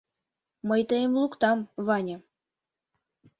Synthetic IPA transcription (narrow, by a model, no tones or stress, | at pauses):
məjt̪əjemlukt̪ɑmβɑnʲɤ̆